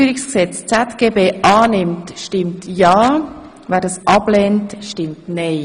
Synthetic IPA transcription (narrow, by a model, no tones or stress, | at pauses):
yəɾɪksksɛt͡st͡sɛtɡ̥eːbeːʔɑːnɪmtʃtɪmtjɑː | vɛːdɑsʔɑbleːntʃtɪmtnɛɪ